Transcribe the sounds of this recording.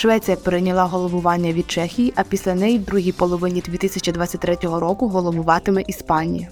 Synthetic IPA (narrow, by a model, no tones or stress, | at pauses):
ʃʋɛtt͡sʲijɐpeɾɪnʲɐlˠɑɦɔlˠɔʋʊʋɑnʲːɐʋʲid̪̥̚t͡ʃɛxʲijiʔɐpʲisʲlʲɐnɛjid̪ɾuɦʲipɔlˠɔʋɪnʲid̪ʲʋʲit̪ɪsʲɐt͡ʃid̪ʋɑt̪ʲt͡sʲːɐt̚ʲt̪ɾɛtʲɔɦɔɾɔkʊɦɔlˠɔbʊʋɑt̪ɪmɛʔispɑnʲijɐ